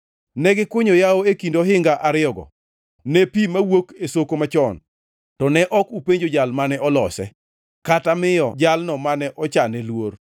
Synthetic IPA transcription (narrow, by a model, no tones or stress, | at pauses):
nɛɡɪkwoɲojaoekindoɦɪŋɡaʔaɾɪɔɡɔ̰ | nɛpimawokesokomat͡ʃɔn | tɔnɛʔɔkupeɲd͡ʒod͡ʒalmanɛʔɔlɔsɛ̰ | katamɪjɔ̰d͡ʒalnɔmanɛʔɔt͡ʃanɛlwor